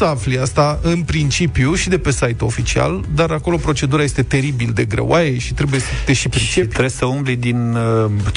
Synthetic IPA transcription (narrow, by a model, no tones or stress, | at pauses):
əafliast̪aɨnpɾint͡ʃipjuʃid̪e̞pe̞sajt̪uofit͡ʃia̰ld̪aɾako̞lo̞pɾo̞t͡ʃe̞d̪uɾajest̪e̞t̪e̞ɾibild̪e̞ɡɾḛw̰ajeʃi̥t̪ɾe̞buje̞sət̪eʃipɾit͡ʃept̪ɾesəumblid̪in